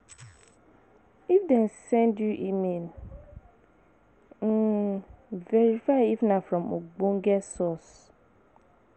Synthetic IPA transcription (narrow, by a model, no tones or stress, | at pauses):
ifdɛ̃nsɛ̃ndjuʔimĩn | vɛɹifaɪifnãfɾɔ̃moɡ͡bõŋ̩ɡɛsɔs